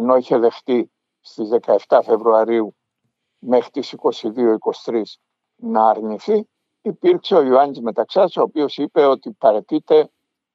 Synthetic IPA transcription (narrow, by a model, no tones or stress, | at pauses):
eno̞içe̞ðe̞xt̪i | st̪izðe̞kɐe̞ft̪ɐfe̞vɾuɐɾiu | me̞xɾit̪isiko̞siðio̞iko̞si̥t̪ɾis | nɐːɾniθi | ipiɾkse̞o̞juɐnizme̞t̪ɐksɐso̞ːpio̞sipe̞o̞t̪ipɐɾe̞t̪it̪e̞